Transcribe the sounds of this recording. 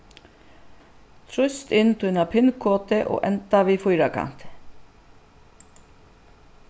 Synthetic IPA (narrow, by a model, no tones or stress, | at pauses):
t̪ʰɾʉst̪ɪnt̪ʰʉnɑpʰɪnkʰoːt̪əʔo̰ːʔɛnt̪ɑʋiːfʊʏɾɑkʰɑ̰nt̪